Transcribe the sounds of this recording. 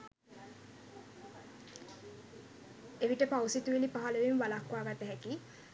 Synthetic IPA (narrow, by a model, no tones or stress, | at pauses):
eʋiʈəpawsit̪uelipaɦaləʋimʋalakwaːɡat̪əɦɛki